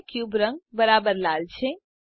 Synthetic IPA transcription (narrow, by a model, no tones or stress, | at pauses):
kjuːbɾə̃ŋɡ̚bɐɾaːbəɾlaːlt͡ʃʰe